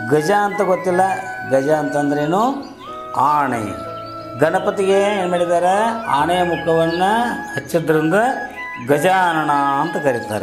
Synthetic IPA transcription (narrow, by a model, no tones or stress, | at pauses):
ɡɐd͡ʒɐːnt̪ɐɡot̪ːilːɐ | ɡɐd͡ʒɐɐnt̪ɐnd̪ɐɾeeːnu | aːɳɐ̰jɐ̰ | ɡɐnɐpɐt̪iɡeeːnumeːɽid̪aːɾea̰ːɳɐjɐmukʰɐʋɐnːɐɦɐt͡ʃːɐd̪ɐɾind̪ɐ | ɡɐd͡ʒaːnɐɳaɐnt̪ɐkɐɾit̪a̰ːɾe